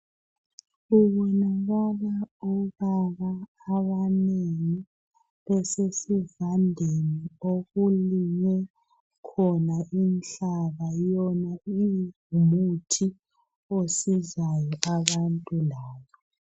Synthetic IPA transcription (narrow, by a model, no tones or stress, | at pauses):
uɣɔnaɣaβaɔβaβaː | βaneŋi | βɛsesivandʱenioɣuliɲɛ | kʰɔnaʔint͡ɬaβajɔnai | mutʰi | osizajɔʔaβantʼulaːβɔ